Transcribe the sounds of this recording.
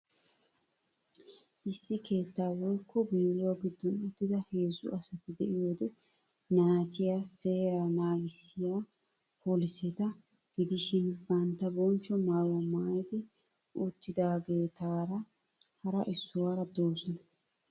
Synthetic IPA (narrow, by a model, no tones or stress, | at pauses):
ʔɪsːɪke̞ːt̪ːaːwɔjkːɔbiːɾʊwaɡɪd̪ːʊnɔt̪ːɪd̪ɐhe̞ːzʊ̰ʔɐsɐt̪ɪd̪ɛʔɪjoːd̪ɛ | naːt̪ɪjase̞ːɾanaːɡɪsːɪja | pʰoːlɪsɛt̪ɐ | ɡ̥ɪd̪ɪʃɪnbɐnt̪ːɐbɔnt͡ʃːɔmaːwɔmaːjɛd̪ɛ | ʔut̪ːɪd̪aːɡe̞ːt̪aːɾɐ | hɐɾɐʔɪsːʊwaːɾɐd̪oːsɔnɐ